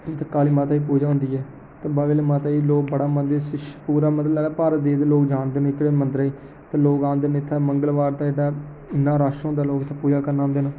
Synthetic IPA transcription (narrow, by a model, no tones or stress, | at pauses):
t̪əkːaːliːmãːt̪aːiːpuːd͡ʒaːɦʊ̃nd̪iːɛː | t̪ãːbaʋeːlemaːt̪aːiːloːk̚bəɽaːmənd̪esɪʃpuːɾaːməd̪lɛːnːpaːɾd̪eːd̪ːloːkd͡ʒaːnd̪nɪkːɽeːmənd̪ɾːiː | t̪aːloːkãːnd̪ənɪt̪ʰːaːməŋɡəlʋaːɾt̪aːd͡ʒeːɽaː | ɪnːãːɾaːʃɦʊ̃nd̪aːloːkɪt̪ʰːaːpuːd͡ʒaːkəɾnaːɦʊ̃nd̪eːnaː